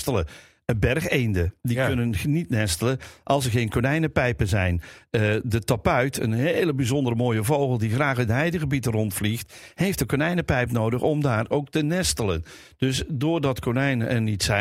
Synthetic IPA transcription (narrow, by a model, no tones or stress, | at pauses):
tələ | ənbɛrχejndədikɵnənnitnɛstələʔɑlˠsəɹɣejnkonɛjnəpɛjpənzɛjnədətapœɥtʰə̰nɦeːləbizɔndərəmoːjəvowχəlˠdiχraːχəɦɛjdəɣəbitərɔntflixthejftdəkonɛjnəpɛjpnowdəχɔmdaːrowk̚tənɛstələ̰n | d̥ɵsdʊːrdɑtkonɛjnəʔɛnitsɛ